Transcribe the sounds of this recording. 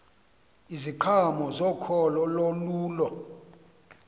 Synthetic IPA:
iziǃʰamɔzɔkʰɔlɔloluːlɔ

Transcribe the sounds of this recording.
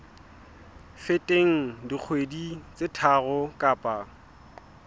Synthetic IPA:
fɪtʼeŋ̩dik͡xʰwedit͡sʼɪtʰaɣʊkʼaːpʼa

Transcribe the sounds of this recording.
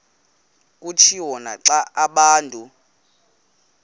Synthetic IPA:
k̬ʼutʰiwɔna̰ǀaʔaɓaːntʼu

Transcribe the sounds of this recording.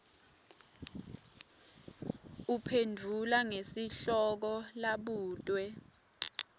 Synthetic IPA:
upʰendʱulaŋesiɬɔk̬ɔlaɓuːtʼwɛ

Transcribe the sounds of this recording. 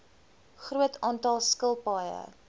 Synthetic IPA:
χruətʰɑːntɑlˠskəlˠpɑːjə̰

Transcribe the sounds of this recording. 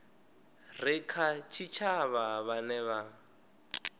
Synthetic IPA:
rɪkʰat͡ʃʰit͡ʃʰaβaβanɛβa

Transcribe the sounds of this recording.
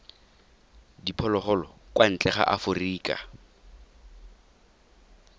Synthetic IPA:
dipʰɔlɔχɔlɔkwan̩t͡ɬʼɛχa̰ʔafʊriːkʼa̰

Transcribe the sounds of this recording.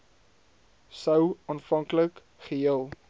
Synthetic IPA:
səwɑːnfɐŋklək | χəɦiəlˠ

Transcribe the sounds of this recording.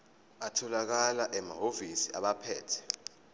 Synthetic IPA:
atʰɔlak̬alaʔɛmaɦovisiaɓapʰɛ̰ːtʰɛ̥

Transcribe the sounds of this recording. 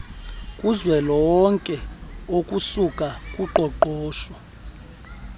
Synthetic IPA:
kʼuzwɛlɔwɔŋkʼɛokʼusukʼakʼuǃʱɔǃɔːʃɔ

